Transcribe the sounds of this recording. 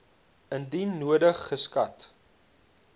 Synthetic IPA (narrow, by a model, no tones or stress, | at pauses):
əndinːuədəχːəskɐt